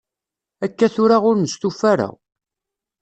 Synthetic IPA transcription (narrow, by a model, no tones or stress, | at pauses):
ækːæθʊɾaʁʊɾnəst̪ufæɾə̰ʁ